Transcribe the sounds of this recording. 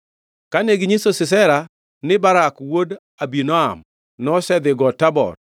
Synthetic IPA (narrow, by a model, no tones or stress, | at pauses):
kaneɡɪɲisosɪsɛɾa | nɪbaɾakwod | abinɔa̰m | nɔsɛd̪ɪɡɔtabɔ̰t